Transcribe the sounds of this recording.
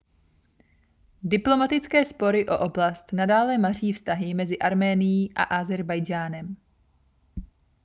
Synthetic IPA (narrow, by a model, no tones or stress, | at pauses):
dɪplo̞mat̪ɪt͡skɛːspo̞ɾɪʔo̞̰ʔo̞blast̪nadaːlɛmar̝iːfst̪aɦɪmɛzɪʔaɾmɛːnɪjiːʔa̰ʔazɛɾbajd͡ʒaːnɛm